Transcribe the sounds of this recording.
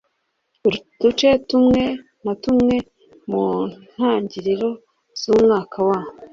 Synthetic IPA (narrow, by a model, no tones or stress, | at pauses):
d̥ut͡ʃe̞tumŋe̞ | natumŋe̞ | mun̥haːɲɟiɾiɾo̞ | z̥uːmŋaːkʰawaːwo